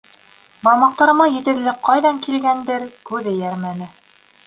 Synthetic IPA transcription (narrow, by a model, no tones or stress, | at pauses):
bɑlˠmɑq̚t̪ɑɾɤ̆mɑjɘ̆t̪ɘ̆ɾlɘqʰɑjðɑŋkilɡænd̪ɘɾkʉðɘ̆jæɾmænɘ